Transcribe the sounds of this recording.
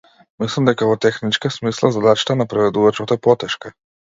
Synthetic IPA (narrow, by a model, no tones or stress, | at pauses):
mislˠamd̪ɛkavɔt̪ɛxnit͡ʃkasmislˠazad̪at͡ʃḁt̪anapɾɛvɛd̪uvat͡ʃɔt̪ɛpɔt̪ɛʃka